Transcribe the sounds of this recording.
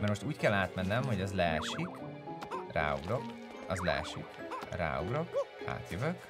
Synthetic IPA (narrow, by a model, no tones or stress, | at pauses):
mɛrmoʃt̪uːckɛlːaːt̪mɛnːɛmho̞ɟɒzlɛʃik | ra̰ːṵɡɾo̞k | ɒzlɛ̰ʃḭkra̰ːuɡɾo̞kha̰ːt̪jøvøk